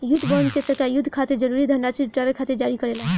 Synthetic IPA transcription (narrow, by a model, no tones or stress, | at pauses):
jud̪ʱːbonkesəɾkajud̪ʱːkʰat̪ed͡ʒəɾuɾid̪ʱənɖat͡ʃiʈɾabekʰat̪ed͡ʒaɾikəɾelã